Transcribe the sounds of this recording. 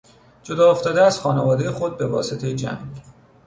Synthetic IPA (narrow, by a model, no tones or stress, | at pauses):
d͡ʒo̞d̪ɒːoft̪ɒːd̪eæz̥xɒːnevɒːd̪ejexo̞d̪̚be̞vɒːse̞t̪ʰe̞jed͡ʒæ̰ŋɡ